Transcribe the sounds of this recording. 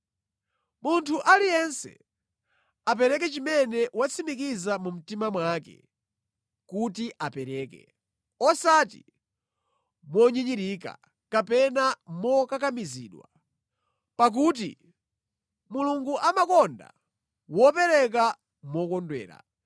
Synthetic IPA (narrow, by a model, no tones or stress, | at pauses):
muntʰuʔalijɛnsɛ̰ | ap̬ɛɾɛkɛt͡ʃimɛnɛwat͡sʰimikizamum̩timamwakɛ̰ | kutiʔapɛɾɛːkɛ̰ | ɔsatḭ | mɔɲiɲiɾika̰ | kapɛnamɔkakamizḭːɗwa̰ | pak̬uːt̬ḭ | muluŋɡuʔamakɔnda̰ | wɔpɛɾɛk̬a | mɔkɔndwɛ̰ːɾa̰